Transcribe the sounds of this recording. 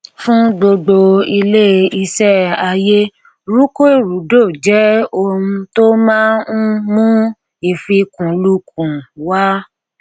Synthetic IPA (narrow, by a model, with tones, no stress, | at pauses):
fũ˦ɡ͡bo˧ɡ͡bo˧i˧le˦i˧sɛ˦a˧je˦ | ɾu˦ko˦e˦˨ɾu˨˦do˦˨d͡ʒɛ˨˦o˧mũ˧to˦mãː˦n̩˦mũ˦ | i˨fi˧kũ˨˦lu˦kũ˨wa˦